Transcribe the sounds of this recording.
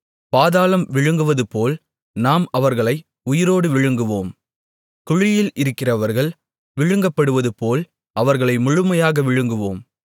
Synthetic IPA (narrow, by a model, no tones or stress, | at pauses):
paːðaːlɐmʋɪɻɯŋɡɯʋɐðɯpoːl | naːmɐʋɐɾɣɐɭɐɪ | ʊjɪɾoːɽɯʋɪɻɯŋɡɯʋoːm | kʊɻɪjɪlʔɪɾɯkːɪrɐʋɐɾɣɐɭ | ʋɪɻɯŋɡɐpːɐɽɯʋɐðɯpoːl | ɐʋɐɾɣɐɭɐɪmʊɻʊmɐjaːɣɐʋɪɻɯŋɡɯʋoːm